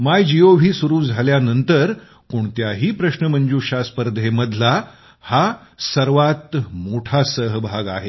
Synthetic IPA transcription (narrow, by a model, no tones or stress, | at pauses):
majd͡ʑioʋ̤ʱiːsuɾuːd͡zʱaljanənt̪əɾ | koɳt̪jaɦiːpɾəɕnəməɲd͡ʑuːɕaspəɾd̪ʱeməd̪ʱla | ha | səɾʋat̪moʈʰasəɦbʱaɡa̰ɦe